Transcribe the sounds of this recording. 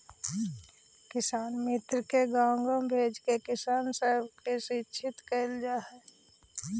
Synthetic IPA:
kɪsaːnmɪt̪ɾəkeɡãːŋɡə̃mbʱeːd͡ʒkekɪsaːnsəɦbkesit͡ʃʰɪt̪kəɪld͡ʒaːɦɛː

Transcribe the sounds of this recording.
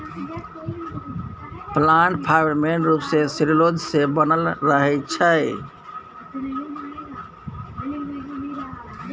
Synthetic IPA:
plaɳʈ̚pʰajəɾmenɾupsesiɾilod͡ʒsebənəlɾəɦɛt͡ʃʰəɪ

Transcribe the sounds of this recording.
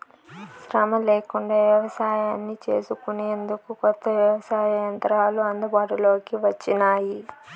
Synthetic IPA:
ʃɾɐmɐleːkuɳɖaːʋjɐʋɐsaːjaːnːit͡ʃe̞̰ːsukune̞ːnd̪ukukɔt̪ːɐʋjɐʋɐsaːjɐjɐnt̪ɐɾaːluɐnd̪ɐbaːʈulo̞ːkiʋɐt͡ʃːinaːji

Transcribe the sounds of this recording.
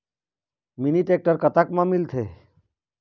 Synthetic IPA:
miniʈek̚ʈəɾkət̪akmãmɪlt̪ʰe

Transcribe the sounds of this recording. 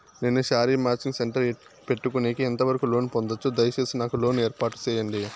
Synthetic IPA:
nenːuʃaːɾiːmaːt͡ʃiŋɡseɳʈɐɾ | pe̞ʈːukuneːkiɛnt̪ɐʋɐɾɐkulo̞ːnpond̪ɐt͡ʃːud̪ɐjɐt͡ʃeːsinaːkuloːneːɾpaːʈu̥t͡ʃɛːjɐɳɖi

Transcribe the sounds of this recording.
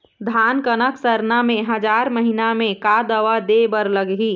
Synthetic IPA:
d̪ʱankənəksəɾnamẽɦəd͡ʒaɾməɦinamẽkad̪əʋad̪ebəɾləɡɦi

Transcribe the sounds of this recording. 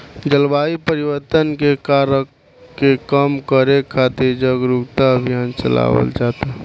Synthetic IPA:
d͡ʒəlbaːipəɾɪwəɾt̪ənkekaɾək | kːekəmkəɾekʰaːt̪eɾd͡ʒəɡɾuɡt̪aəbʱijaːnt͡ʃə̰la̰ːʋə̰ld͡ʒaːt̪a

